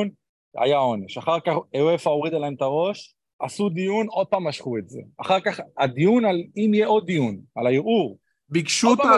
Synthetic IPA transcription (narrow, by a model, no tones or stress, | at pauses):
n | a̰jao̞ne̞ʃaχaʁkaχeoefaoʁid̪alaemt̪aʁo̞ʃ | asud̪ijuno̞d̪̚paːmaʃχuetze̞̰aχaʁkaχad̪ijunalimijeʔo̞d̪dːijunalaiʁʔuʁ | bikʃut̪